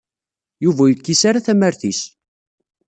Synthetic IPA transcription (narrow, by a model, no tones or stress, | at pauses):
juvæjəkːisaɾaθæməɾθis